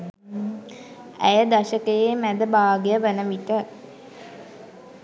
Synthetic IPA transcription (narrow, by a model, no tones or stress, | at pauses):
æ̰jəd̪aʃəkəjemæd̪əbaːɡejəʋənəʋiʈə